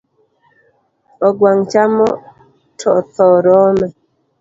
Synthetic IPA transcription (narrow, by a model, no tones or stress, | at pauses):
ɔɡwaŋt͡ʃamɔ | tʰɔt̪ɔɾɔmɛ